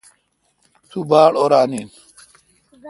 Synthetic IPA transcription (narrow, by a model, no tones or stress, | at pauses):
t̪ʰuːbaːɽoːɾaːniːn